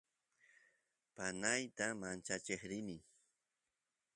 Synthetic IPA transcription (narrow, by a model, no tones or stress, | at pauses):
panajt̪amant͡ʃat͡ʃeχɾɪnɪ